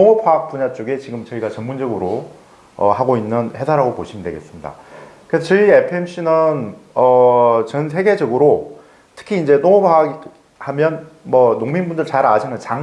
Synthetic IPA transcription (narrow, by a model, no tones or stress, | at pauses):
noŋopʰaːk̚p͈uɲat͡ɕ͈oɡe̞t͡ɕiɡɯmt͡ɕʌiɡat͡ɕʌnmund͡ʑʌɡɯɾo | ʌ̰haɡoinːɯnhe̞sʰaɾaɡopoɕʰimndwe̞ɡe̞s͈ɯmɲida̰kɯɾesʰʌt͡ɕʌiepʰɯemɕ͈ʰinɯnʌt͡ɕʌns̬ʰe̞ɡe̞d͡ʑʌɡɯɾo | tʰɯ̥kʰiːnd͡ʑe̞noŋopʰaɡ | hamjʌnmʌnoŋminbundɯɭt͡ɕaɾad͡ʑʰiŋɯnt͡ɕaŋ